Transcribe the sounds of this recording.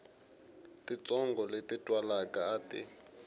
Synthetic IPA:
tʼit͡sʼɔŋɡʱɔletʼitʼwalakʼaːtʼi

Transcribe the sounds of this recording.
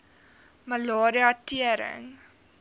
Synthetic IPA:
məlɑːɾiɐtiəɾə̰ŋ

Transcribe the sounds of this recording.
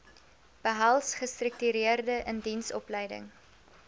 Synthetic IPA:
b̥əɦɐlˠsχəstrək̚tyɾiərdəʔəndinsɔ̰plɛjdə̰ŋ

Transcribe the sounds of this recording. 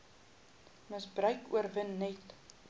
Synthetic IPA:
məsbrœɥkuərvənːɛt

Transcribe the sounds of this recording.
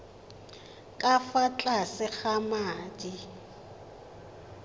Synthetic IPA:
kʼafat͡ɬʼasɪk͡xamaːdi

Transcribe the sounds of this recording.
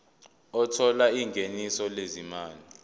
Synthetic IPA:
ɔtʰɔlaiŋɡʱenisɔlezimaːli

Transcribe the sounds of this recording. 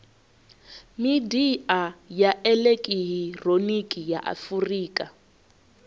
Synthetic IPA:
midiajaʔɛlekʼiɦironikʼijaʔa̰furiːkʼa

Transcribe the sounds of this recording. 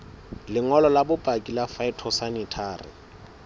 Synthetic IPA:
lɪŋɔlɔlabʊpʼakʼilafaɪtʰɔsanɪtʰaːrɪ̰

